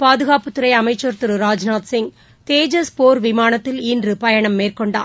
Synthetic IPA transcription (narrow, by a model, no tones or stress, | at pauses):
paːðɯɣaːpɯt̪ːɯɾɐɪɐmɐɪt͡ʃːɐɾt̪ɯɾɯɾaːd͡ʒnaːt̪sɪŋɡ | t̪eːd͡ʒɐspoːɾʋɪmaːnɐt̪ːɪlindrɯpɐjɐɳɐmːeːrkɔɳɖa̰ː